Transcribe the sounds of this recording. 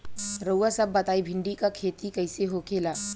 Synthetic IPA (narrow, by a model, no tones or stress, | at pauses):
ɾəwasɐbːɐt̪aːibʱɪ̃ɳɖikakʰeːt̪ikɐɪseɦokeːlaː